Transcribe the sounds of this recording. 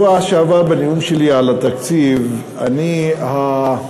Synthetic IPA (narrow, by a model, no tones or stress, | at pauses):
aʃaːʋabɐniumʃiliaːlɐt̪ɐksiʋ | ɐ̰niɦa